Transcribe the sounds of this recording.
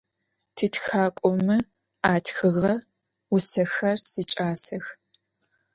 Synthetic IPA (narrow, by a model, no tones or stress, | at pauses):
tʰitxaːkʷʼɔmɨ | aːtxɨʁɐ | wʊsɐxɐrsit͡ʃʼaːsɐx